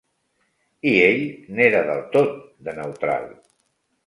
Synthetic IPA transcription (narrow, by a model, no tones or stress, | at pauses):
ieʎneɾəðə̰lˠt̪ot̪̚d̪ənəwt̪ɾa̰lˠ